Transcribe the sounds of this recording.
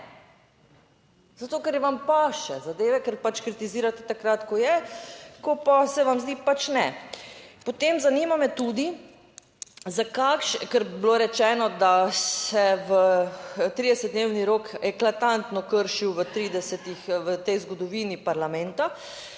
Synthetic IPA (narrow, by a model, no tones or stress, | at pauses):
z̥at̪oːkɛɾjɛʋampaʃɛzad̪eːʋɛkɛɾpat͡ʃkɾit̪iziːɾat̪ɛ̥t̪akɾat̪kɔjɛkɔpasɛʋamzd̪iːpat͡ʃnɛ | pot̪emzaniːmamɛt̪ud̪i | zakakʃɛkɛɾbloːɾɛt͡ʃɛːnɔd̪asɛʋət̪ɾiːd̪ɛsɛt̪̚d̪neːwniɾoːkɛklat̪ant̪nɔkəɾʃiwʋət̪ɾiːd̪ɛsɛt̪ixʋət̪ɛjzɡɔd̪ɔʋinipaɾlamɛnt̪a